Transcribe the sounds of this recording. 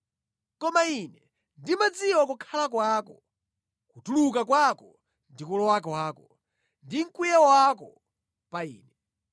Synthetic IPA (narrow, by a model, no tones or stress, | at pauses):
kɔmainɛ | ndimad͡ziwɔkukʰalakwakɔ | kutuluk̬akwakɔ | ndikulɔwakwaːkɔ | ndiŋ̩kujɛwakɔ | paḭːnɛ